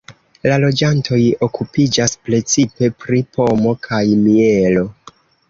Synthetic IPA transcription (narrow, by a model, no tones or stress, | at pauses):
lalo̞d͡ʒantʰo̞jo̞kupid͡ʒaspɾe̞t͡sipe̞pɾipo̞mo̞kʰajmie̞lo̞